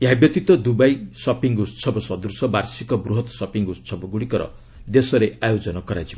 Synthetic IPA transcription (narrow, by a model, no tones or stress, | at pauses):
jabjʌt̪it̪ʌd̪ubajsʌpiŋɡussʰʌbʌsʌd̪ursʌbarsikʌbruɦʌt̪sʌpiŋɡust͡sʰʌbʌɡuɽikʌɾʌ̰ | d̪esʌɾeajod͡zʌnʌkʌɾad͡zim